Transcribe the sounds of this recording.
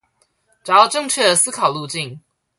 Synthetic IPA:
ʈ͡ʂa˨˦ɑ˥˧ʈ͡ʂɤ˥˧ŋt͡ɕʰɥɛ˥˩d̪ə˩sɹ̩˥kʰɑ˨˩ʊlu˥˧t͡ɕi˥˨ŋ

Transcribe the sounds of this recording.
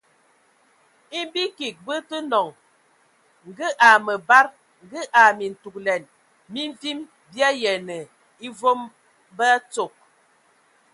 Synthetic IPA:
i˦m˦bi˦ki˨k̚bə˦tə˦nɔ˨ŋ | ŋ̩˨ɡə˦ʔa˨mə˨ba˦ɾ | ŋ̩˨˦ɡə˦ʔa˨mi˨n̩˨tu˨k̚lɛ˨n | mi˦ɱ˦vi˦m | bja˦jɛ˨nə˨ | i˦vo˦m | bə˦t͡so˨k̚

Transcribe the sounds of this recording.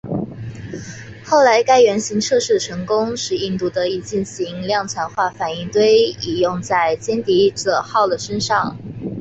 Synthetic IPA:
xo˥˩ʊla˧˥ɪka˥ɪɥɛ˧˥nɕi˧˥ŋʈ͡ʂʰɤ˥˧ʂɻ̩˥˩ʈ͡ʂʰɤ˧˥ŋkʊ˥ŋʂɻ̩˥˧i˥˧nt̪u˥˩d̪ə˧i˨˩t͡ɕi˥˩nɕi˧˥ŋljɑ˥˩ŋt͡sʰa˧˥nxwa˥˩fa˨˩ni˥˩ŋt̪we˥˩ɪi˨˩jʊ˥˧ŋt͡sa˥˩ɪt͡ɕjɛ˥nt̪i˧˥ʈ͡ʂɤ˨˩xɑ˥˩ʊd̪ə˩ʂə˥nʂɑ˥˩ŋ

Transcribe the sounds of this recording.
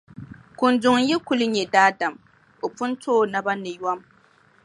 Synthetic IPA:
kʊ˨ndʊ˨ŋ˦jɛ˦ku˦lɨ˦ɲɛ˨daː˦da˨m | o˨pʊ˦n˦toː˦˨na˦ba˦nɨ˨ja˦m

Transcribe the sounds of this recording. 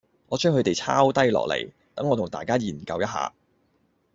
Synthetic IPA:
ŋɔː˨˧t͡ʃʰœː˥ŋhɵ˧t̪e˨jt͡sʰaː˥wt̪ɐ˥jlɔ̰ː˨k̚lḛ˨˩j | t̪ɐ˨˥ŋːɔː˨˧t̪ʰʊ˨˩ŋt̪a̰ː˨jkaː˥jiː˨˩nkɐ˧wjɐ˥t̚ɦa̰ː˧

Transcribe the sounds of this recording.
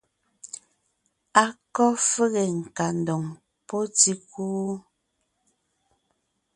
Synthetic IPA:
a˨kɔ˦fe˦ɣe˨ŋ̩˨ka˨n̩˨dɔ˨ŋ | pɔ˦ti˦kuː˦

